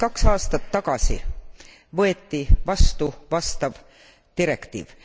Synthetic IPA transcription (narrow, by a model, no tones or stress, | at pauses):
kɑksɑːst̪ɑt̪ːɑkɑsḭ | vɤe̞t̪ːivɑst̪uvɑst̪ɑv | t̪iɾe̞kt̪ḭːv̥